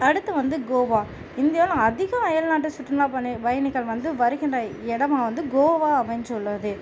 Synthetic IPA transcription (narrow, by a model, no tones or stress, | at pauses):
ɐɽɯt̪ːɯʋɐnd̪ɯɡoːʋaː | ɪnd̪ɪjaːlãɐðɪɣɐ̃ɐjɐlnaːʈ̬ːɯsʊʈrɯnaːpɐnːɯʋɐjɐnɪɣɐɭʋɐnd̪ɯʋɐɾɯɣɪndrɐɛɽɐmaːʋɐnd̪ɯɡoːʋaːɐʋɐnd͡ʒɔlːɐðɯ